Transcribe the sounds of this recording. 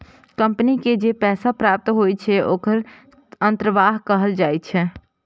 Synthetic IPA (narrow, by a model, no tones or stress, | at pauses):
kə̃mpəniked͡ʒepɛːsapɾaːp̚t̪ɦoːjt͡ʃʰɛʔoːkʰəɾ | ə̃nt̪ɾəʋaːɦkəɦəld͡ʒaːjt͡ʃʰɛ